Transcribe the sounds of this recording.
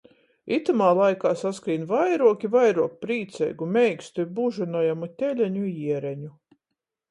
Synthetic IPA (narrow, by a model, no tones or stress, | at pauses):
it̪amaːlˠajkaːsaskɾiːnvajɾuɔkʲivajɾuɔk̚pɾiːt̪sɛ̰jɡumʲɛjkst̪ubuʒunujamut̪ʲelʲæɲujiɛɾɛɲu